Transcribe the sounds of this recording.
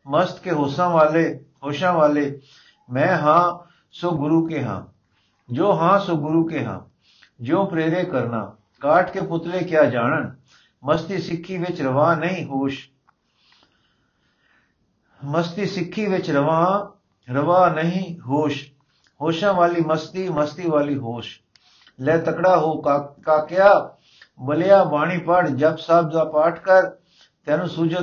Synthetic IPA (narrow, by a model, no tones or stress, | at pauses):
məst̪keɦoːsãaːle | ɦoːʃãːʋaːleː | mɛ̃ːɦãː | soɡʊɾuːkeɦã̰ː | d͡ʒoːɦãːsoɡʊɾukeɦã̰ː | d͡ʒõːpɾeːɾekəɾna̰ː | kaːʈʰkepʊt̪lekjaːd͡ʒaːɽ̃ən | məst̪isɪkʰːiʋɪt͡ʃɾəʋaːnəɦĩɦoːʃ | mɐst̪isɪkʰːiʋɪt͡ʃɾɐʋãː | ɾɐʋãːnɐɦĩɦoːʃ | ɦoːʃãʋaːlimɐst̪imɐst̪iʋaːliɦoːʃ | lɛːt̪ɐkɽaːɦoːkaːkjaː | bɐlɪjaːbaːɽ̃ipəɽd͡ʒɐbsaːb̚zaːpaːʈʰkɐɾ | t̪ɛ̃ːnũːsuːd͡ʒʱə